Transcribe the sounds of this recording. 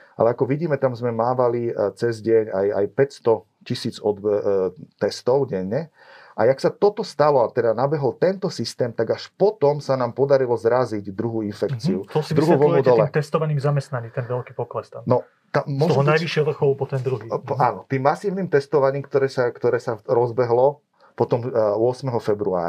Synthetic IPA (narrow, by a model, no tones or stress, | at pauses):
ʔa̰lɛakɔʋiɟiːmɛt̪amzmɛmaːʋalit͡sɛzɟɪɛɲa̰ja̰jpɛcst̪ɔ | cisiːd͡zɔd̪bɛt̪ɛst̪ɔʊɟɛɲːɛ | ʔajaksat̪ɔt̪ɔst̪alɔat̪ɛd̪anabɛɦɔlt̪ɛnt̪ɔsist̪ɛːmt̪aɡaʃpɔt̪ɔmsanaːmpɔd̪aɾilɔzɾaziɟd̪ɾuɦuːinfɛkt͡siut̪ɔsd̪ɾuɦʋɔɔd̪ɔlɛt̪ɛst̪ɔʋaɲiːmzamɛst̪naɲiːt̪ɛnʋɛlkiːpɔklɛst̪annɔ | t̪aːɔt̪ɔɦɔnajʋiʃɪɛɔʋr̩xɔʊpɔt̪ɛnd̪ɾuɦiaːnɔt̪iːmːasiːʊniːmt̪ɛst̪ɔʋaɲiːmkt̪ɔɾɛːsakt̪ɔɾɛːsaɾɔzbɛɦlɔ | pɔt̪ɔmʊɔsmɛɦɔfɛbɾua̰ːɾa